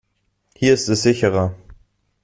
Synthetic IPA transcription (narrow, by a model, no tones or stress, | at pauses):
hiːɐɪstɛsz̥ɪçəʁɐ